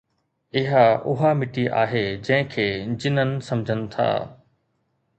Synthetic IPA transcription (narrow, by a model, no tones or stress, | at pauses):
ɪɦaʊɦamɪʈiʔa̰ːɦed͡ʑɐ̃ɦɪ̃kʰeːd͡ʑɪnənɪ̆sɐmd͡ʑʱənɪ̆t̪ʰa̰ː